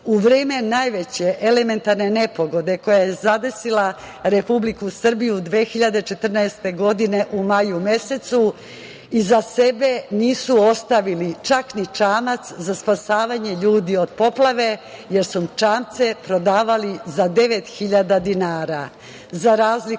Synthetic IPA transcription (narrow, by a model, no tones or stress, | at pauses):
uʋɾeːme̞najʋe̞t͡ɕe̞ʔele̞me̞nt̪aɾne̞ne̞po̞ɡo̞d̪eko̞jajezad̪e̞sila | ɾe̞publikusr̩bijud̪ʋeːxiʎad̪et͡ʃe̞t̪r̩naest̪e̞ɡo̞d̪ine̞ʔumajume̞se̞t̪su | izase̞be̞niːsuo̞st̪aʋilit͡ʃaknit͡ʂaːmat̪szaspasaːʋaɲeʎuːd̪io̞d̪̥po̞plˠaʋe̞ | je̞ɾsut͡ʃaːmt̪se̞pɾo̞d̪aːʋalizad̪e̞ʋe̞t̪xiʎad̪ad̪inaːɾa | zaɾaːzli